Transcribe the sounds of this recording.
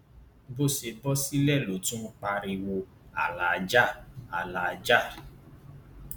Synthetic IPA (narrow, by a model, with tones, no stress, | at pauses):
bo˦˨se˧bɔ˦si˦lɛ˦˨lo˨tũ˦k͡pa˧ɾi˧wo˧ | a˨la˨˧d͡ʒa˦˨a˨la˧d͡ʒa˦˨